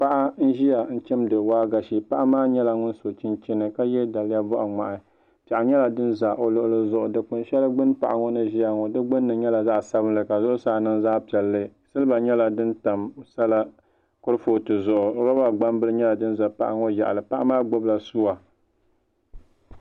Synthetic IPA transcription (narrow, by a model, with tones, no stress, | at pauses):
pa˦ʔa˦n̩˦ʒi˦ja˨n̩˦t͡ʃɛ˦mdɨ˨waː˦ɡa˨ʃi˦pa˦ʔa˦maː˦ɲɛ˦la˨ŋʊ˦n˦so˨t͡ʃi˦nt͡ʃɪ˦nɨ˨ka˦jɛ˦da˨lja˦bʊ˦ʔa˨ŋ͡ma˨ʔɪ˨ | pa˨ʔa˨ɲɛ˦la˨dɨ˦nza˨ʔo˨lʊ˦ʔʊ˦lɨ˦zʊ˦˨ʔʊ˨dɨ˨k͡pʊ˨nʃɛ˦lɨ˦ɡ͡bɨ˦npa̰˨ʔa˨ŋɔ˦nɨ˦ʒi˦a˨ŋɔ˨dɨ˦ɡ͡bɨ˦nːɨ˨ɲɛ˦la˨za˦sa˦bɨ˦nlɨ˨ka˨zʊ˦ʔʊ˦saː˨˦˨nɨ˦nzaː˦pi˨ɛ˨lːɨ˦sɨ˦lɨ˦ba˨ɲɛ˦la˨dɨ˦nta˨msa˦la˦ | kʊ˦ɾɨ˦fo˦tɨ˨zʊ˨ʔʊ˨˦ɾa˦ba˦ɡ͡ba˦mbɨ˦lɨ˦ɲɛ˦la˨dɨ˦n˦za˨pa̰˨ʔa˦ŋo˦ja̰˨ʔa̰˨lɨ˨pa˦ʔa˦maː˦ɡ͡bo˦bla˨su˦a˨